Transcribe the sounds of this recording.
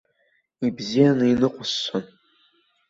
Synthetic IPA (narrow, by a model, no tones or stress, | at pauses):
ibzijanɨinɨqʷʰʼʊsːʷon